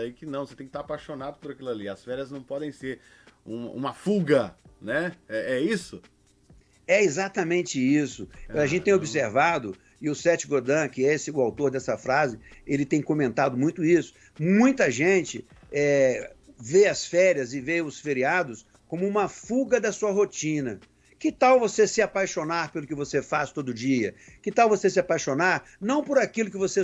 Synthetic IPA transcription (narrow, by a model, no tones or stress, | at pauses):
aikɪnɐ̃w̃set̪ẽkɪ̥t̪aɾapaʃonad̪ʊpʊɾakilaliɐsfɛɾiɐznɐ̃w̃pɔd̪ẽj̃seɾ | ũmɐ̰ṵ̃mɐfuɡɐnɛɛɛisʊ | ɛezat̪ɐmẽnt͡ʃɪisʊaɐʒẽnt͡ʃɪt̪ẽj̃obiseɾvad̪ʊ | ɪʊsɛt͡ʃɪɡoɾd̪ɐ̃kɪesɪʊawt̪oɾd̪ɛsɐfɾazɪelɪt̪ẽj̃kõmẽnt̪ad̪ʊmũj̃t̪ʊisʊ̥ | mũj̃t̪ɐʒẽnt͡ʃɪ | ɛ | veɐsfɛɾiɐzɪveʊsfeɾiad̪ʊs | kõmʊũmɐfuɡɐd̪ɐsuɐɦot͡ʃĩnɐ | kɪt̪awvosesɪapajʃonaɾpelʊkɪvosefast̪od̪ʊd͡ʒiɐkɪt̪awvosesɪapajʃonaɾ | nɐ̃w̃pʊɾakilʊkɪvose